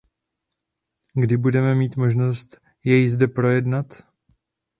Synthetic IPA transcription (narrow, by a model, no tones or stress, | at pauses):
ɡdɪbudɛmɛmiːt̪mo̞ʒno̞st̪ | jɛjzdɛpɾo̞jɛdnat̪